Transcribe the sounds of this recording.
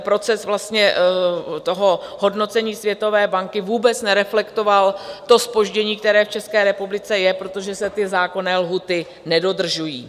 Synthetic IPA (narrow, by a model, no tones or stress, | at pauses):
pɾo̞t͡sɛsvlast̪ɲɛ | t̪o̞ɦo̞ɦo̞dno̞t͡sɛɲiːsvjɛt̪o̞vɛːbaŋkɪvuːbɛt͡snɛɾɛflɛkt̪o̞valt̪o̞spo̞ʒɟɛɲiːk̚t̪ɛɾɛːft͡ʃɛskɛːɾɛpublɪt͡sɛjɛpɾo̞t̪o̞ʒɛsɛt̪ɪzaːko̞nɛːlɦuːt̪ɪ | nɛdo̞d̪r̩ʒujḭː